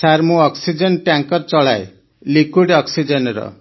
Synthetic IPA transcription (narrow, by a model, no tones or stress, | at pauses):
saɾmũɔksid͡ʒɔnʈjaŋkɔɾt͡ʃɔɭae | likwiɖɔksid͡ʒenɾɔ̰